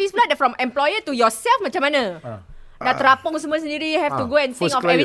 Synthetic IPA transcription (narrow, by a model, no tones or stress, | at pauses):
isbladɛfɹɔ̃mɛ̃mplɔjət̪ujɔsɛlfmãt͡ʃãmːanã | dat̪ɾapʊŋs̬əmuas̬ə̃ndiɾijuhɛft̪uɡoɛ̃nsiŋkɔfɛi